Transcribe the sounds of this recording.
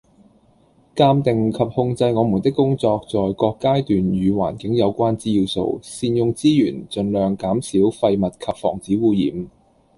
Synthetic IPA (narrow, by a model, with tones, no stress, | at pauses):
kaː˧mt̪ɪ˨ŋkʰɐ˨p̚hʊ˧ŋt͡sɐ˧jŋɔː˨˧mu˨˩nt̪ɪ˥kːʊ˥ŋt͡sɔː˧k̚t͡sɔː˨jkɔː˧kːaː˥jt̪yː˨njyː˨˧wa̰ː˨˩nkɪ˨˥ŋjɐ˨˧wkʷaː˥nt͡siː˥jiː˧wso̰˧wsiː˧njʊ˧ŋt͡siː˥jyː˨˩nt͡sɵ˨˧nlœː˨ŋkaː˨˥msiː˨˥wfɐ˧jmɐ˨t̚kʰɐ˨p̚fɔ̰ː˨˩ŋt͡siː˨˥wuː˧jḭː˨m